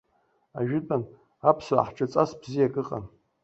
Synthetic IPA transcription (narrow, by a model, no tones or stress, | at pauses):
a̰ʒᶣɪtʼan | apʰswa̰ħʈ͡ʂʼat͡sʼasbzijakʼɨqʼa̰n